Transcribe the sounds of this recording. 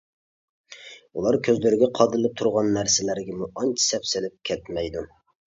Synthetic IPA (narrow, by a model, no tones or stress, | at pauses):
ulˠɑɾkʲʰøzlyɾɪɡʲɛqʰɑd̪ɨlˠɨp̚t̪ʰuɾʁɑnːæɾsɪlæɾɡʲɛmuɑnt͡ʃʰi̥sɛpsɪlɪp̚kʲʰɛt̪mɛjd̪u